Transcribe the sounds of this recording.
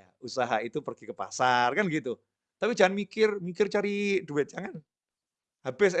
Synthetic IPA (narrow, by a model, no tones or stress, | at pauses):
ausaɦait̪upərɡ̥ikəpa̰sarkanɡit̪u | t̪apid͡ʒaŋanmikɪrmikɪrt͡ʃaɾiduwɛt̪̚d͡ʒaŋan | habɛs